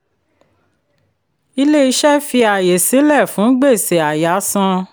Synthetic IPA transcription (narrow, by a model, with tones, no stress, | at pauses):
i˧le˦i˧˦ʃɛ˦fi˧a˨je˨si˨˦lɛ˦˨fũ˨˦ɡ͡be˦˨se˨a˨ja˨˦sã˧